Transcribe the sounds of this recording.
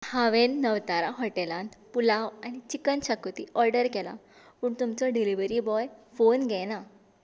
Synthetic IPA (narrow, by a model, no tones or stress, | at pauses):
haʋenːəʋt̪aɾaɦɔʈelãnt̪pulaʋanit͡ɕikənɕakot̪iʔɔɾɖəɾkɛla̰ | puːɳt̪umt͡sɔɖiliʋəɾibɔjfonɡɛna